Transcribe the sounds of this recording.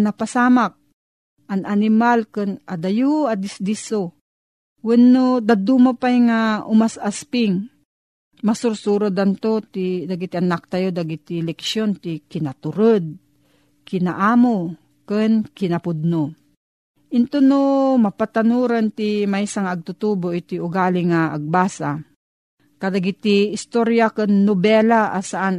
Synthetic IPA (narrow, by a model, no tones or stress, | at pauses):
napasaːmak̚ | ananɪmalkɨnʔad̪ajuad̪ɪsd̪iso | wɛnːod̪ad̪umapajŋaʔʊmasaspɪŋ | masʊɾsuɾod̪ant̪ot̪id̪aɡit̪ianak̚t̪ajod̪aɡit̪ilɛkʃjont̪ikɪnat̪ʊɾɨd̪̚ | kɪna̰ʔaːmo | kɨnkɪnɐpʊd̪̚no | ʔɪnt̪onomɐpat̪anuːɾant̪ɪmaisaŋaɐɡ̚t̪ʊt̪uboʔɪt̪iʊɡaːlɪŋaːɡ̚baːsa | kad̪aɡit̪iːst̪oɾjakɨnːobɛlaʔasaʔan